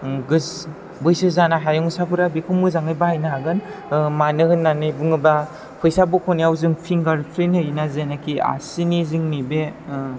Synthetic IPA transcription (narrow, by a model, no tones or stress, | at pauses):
ɡɯs | bɯjsɯzanaɦajɔŋsapʰɯɾabikʰumɯzaŋɯjbahajnaɦaɡɯnmanɯhɯnːanɯjbɯŋɯba | pʰɯjsabukʰɔnijawzɯŋpʰiŋɡaɾpʰɾenhɯjnazenakʰia̰siniziŋnibe